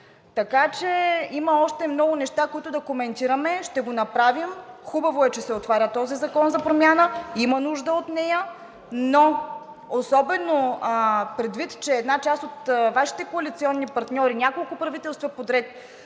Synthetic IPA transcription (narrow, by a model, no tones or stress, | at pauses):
t̪ɐkat͡ʃɛimɐɔʃt̪ɛmnɔɡʊnɛʃt̪akoit̪ʊd̪ɐkomɛnt̪iɾɐmɛʃt̪ɛɡonɐpɾavim | xubɐvoɛt͡ʃɛsɛot̪vaɾʲət̪ɔzizɐkɔnzɐpɾomʲjanəimɐnuʒd̪əot̪nɛjə | no | osɔbɛno | pɾɛd̪vit̪t͡ʃɛːd̪nat͡ʃast̪ot̪vaʃi̥t̪ɛkoɐlit̪siɔnːipɐɾt̪nʲɔɾinʲakolˠkʊpɾɐvit̪ɛlˠst̪vɐpod̪ɾɛt̪